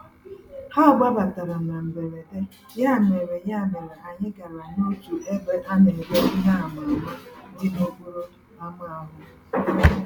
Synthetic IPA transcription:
ha˦ɔ˨ɡ͡ba˦ba˨ta˨ɾa˨m̩˨na˨m̩˨be˨ɾe˨te˦ | ja˦˨me˨ɾe˨ja˦˨me˨ɾe˨ʔa˨ɲɪ˦ɡa˨ɾa˨ɲ˦o˦tu˨e˦be˦ʔa˦ne˨be˦na˦˨m˨a˨ma˦dɪ˦mo˦ɡo˦ɾo˦ | a˦ma˦a˦ɦʊ˦

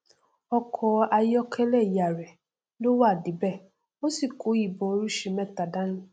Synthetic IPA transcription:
ɔ˦kʰɔ˦a˨jɔ˦kʰɛ˦lɛ˦˨ja˨ɾɛ˨ | lo˦wa˦˨di˨bɛ˦˨ | o˦si˨ko˨˦i˨bɔ̃˨o˦ɾu˦ʃe˨mɛ˦˨ta˨da˦n̩˦

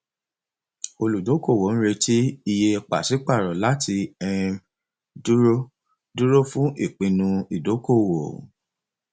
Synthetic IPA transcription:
o˧lu˨do˨˦ko˦˨wo˨n̩˦ɾe˧tʰi˦i˧je˧k͡pa̰˨si˨˦k͡pa˦˨ɾɔ˨la˦tʰi˧ɛ˧ĩ˧ | du˦ɾo˦ | du˦ɾo˦fũ˦ʔi˦˨k͡pĩ˧nũ˧i˨do˨˦ko˦˨wo˨

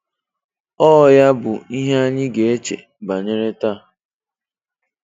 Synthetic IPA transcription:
ɔ˦˨ja˦bʊ˨i˦ɦe˦a˦ɲɪ˦ɡe˨e˦t͡ʃḛ˨ | ba˨ɲe˦ɾe˦ta˦˨

